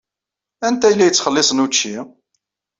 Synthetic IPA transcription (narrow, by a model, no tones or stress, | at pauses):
ænt̪æjlːæjət͡sːχəlːɪsˤənut͡ʃːi